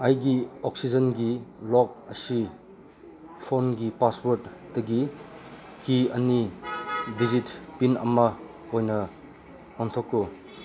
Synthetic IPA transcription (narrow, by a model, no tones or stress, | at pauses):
ɐjɡiok̚sid͡ʒɐnɡilɔk̚ɐsi | pʰonɡipaswoɾtdɐɡi | kʰiɐni | did͡ʒitpinɐ̰mɐ | ojnɐ | ɔntʰokːu